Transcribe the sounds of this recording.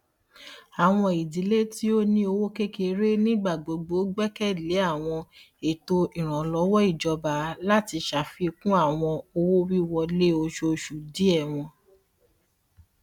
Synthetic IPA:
a˨w̃ɔ̃˧i˨di˨˦le˦ti˦o˦nĩ˦o˧wo˦ke˦ke˧ɾe˦nĩ˦ɡ͡ba˦˨ɡ͡bo˨ɡ͡bo˨˦ɡ͡bɛ˦kɛ˦˨le˨˦a˦˨w̃ɔ̃˧ | e˨to˧ʔi˨ɾ̃ã˨lɔ˨˦wɔ˦i˦˨d͡ʒɔ˧ba˨˦la˦ti˧ʃa˨fi˧kũ˦a˦˨w̃ɔ̃˧o˧wo˦wi˦wɔ˧le˦o˧ʃo˧ʃu˨di˨˦ɛ˦˨w̃ɔ̃˧

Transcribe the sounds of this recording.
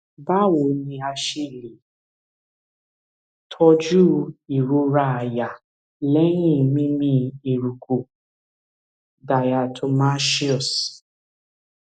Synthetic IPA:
ba˦wo˨˦nĩ˧a˧ʃe˦˨li˨ | tʰɔ˦d͡ʒu˦i˨ɾu˧ɾa˦a˨ja˨ | lɛ˦ɲĩ˦˨mĩ˦mĩ˦i˨ɾu˨ku˨ | da˨ja˨tʰɔ˧˨ma˦ʃi˦ɔ˨s

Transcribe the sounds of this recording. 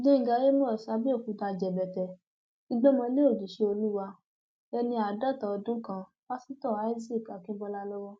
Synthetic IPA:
dẽ˦ŋ˨ɡa˨˧je˦m˦ɔ̃˦˨sa˧˦bi˦o˦˨kũ˨˦ta˧d͡ʒɛ˨bɛ˨tɛ˨ | i˦ɡ͡bɛ˦mɔ̃˧le˦o˦˨d͡ʒi˨ʃe˧o˧lu˦wa˧ | ɛ˧nĩ˧a˨da˦˨ta˨ɔ˧dũ˦kã˧ | wa˦sĩ˦tɔ˦˨a˨˦zi˦˨ka˨kĩ˦bɔ˧la˦˧lɔ˦wɔ˦

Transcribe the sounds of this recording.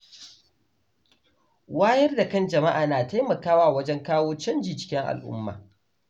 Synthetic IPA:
waː˦jɐ˦rda˨kɐ˦˨nd͡ʒɐ˨ma˦ʔaː˨naː˨ta˦jmɐ˨kaː˦waː˦˨wɐ˦d͡ʒɛ˦ŋkaː˦woː˦t͡ʃɐ˦nd͡ʒiː˨t͡ʃɪ̥˦kʲɪ˦ŋʔa̰˨lʔʊ̰˦mːa̰ː˨

